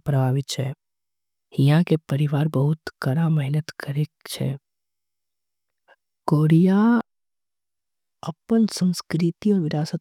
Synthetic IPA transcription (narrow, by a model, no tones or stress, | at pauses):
pɾəbʱaːʋɪt̪t͡ʃʰɛ | hijãkepɐɾɪʋaːɾbəɦʊt̪kɐɾamɛɦnət̪kəɾekt͡ʃʰɛ̰ | koːɾija | ɐpənsə̃nskɾit̪iɔːɾʋɪɾaːsət̪